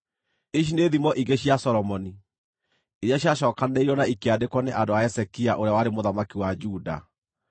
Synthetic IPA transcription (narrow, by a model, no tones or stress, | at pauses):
iʃ̬ineðimɔʔiɣɡeɕiasɔɾɔmɔni | iɾjaɕjaʃɔːkaneiɾɔnaikeadekwɔneʔadoaɛsɛkiaʔoɾeawaɾemoðamakiwad͡ʒuda̰